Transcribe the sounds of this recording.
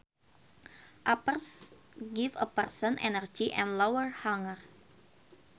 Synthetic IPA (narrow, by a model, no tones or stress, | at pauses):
ʔapərs | ɡivə̰pərsə̃nʔɛ̰nərd͡ʒiʔɛ̰̃nlowəɹhaŋər